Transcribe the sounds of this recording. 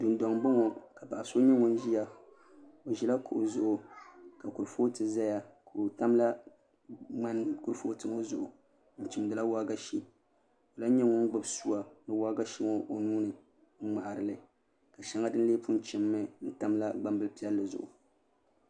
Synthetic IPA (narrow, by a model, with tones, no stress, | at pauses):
du˨n˦dɔ˨ŋbo˦ŋɔ˨ka˨pa˨ʔa˨so˦ɲɛ˦ŋʊ˦n˦ʒi˦ja˦ | o˨ʒi˨la˦kʰo˨ʔʊ˨zʊ˦ʔʊ˨ka˨kʊ˨ɾfo˦tɨ˨za˦ja˨ko˨ta˦mla˦ | ŋ͡ma˦nkʊ˦ɾfo˦tɨ˨ŋo˦zʊ˨ʔʊ˨ | n̩˨t͡ʃi˨mdɨ˨la˦wa˦ɡa˦ʃi˦ | o˨la˦ɲɛ˦ŋʊ˦n˦ɡ͡bɨ˦bsu˦a˨nɨ˨waː˦ɡa˦ʃi˦ŋɔ˦ʔo˨nuː˦nɨ˨ | ŋ̩˦ŋ͡ma˨ʔa˨ɾɨ˨lɨ˨ | ka˨ʃɛ˨ŋa˦dɨ˦n˦leː˦pu˦n˦t͡ʃɪ˨mːɨ˦n̩˦ta˦mla˦ɡ͡ba˦mbɨ˦lpi˦ɛ˦lːɨ˨zʊ̰˨ʔʊ̰˨